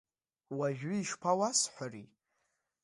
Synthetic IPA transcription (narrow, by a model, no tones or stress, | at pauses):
waʒᶣʊːʃpʰawasħʷari